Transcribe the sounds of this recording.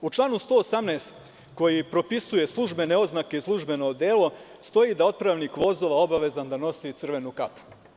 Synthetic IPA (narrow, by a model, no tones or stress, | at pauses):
ut͡ʃlˠaːnust̪o̞ːosamneːst̪ | ko̞jipɾo̞pisuje̞slˠuʒbe̞neo̞znake̞islˠuʒbe̞no̞d̪e̞ːlo̞ | st̪o̞jid̪ao̞t̪̚pɾaʋnikʋo̞zo̞ʋao̞baʋe̞zand̪ano̞sit̪sɨr̩ʋe̞nukapu̥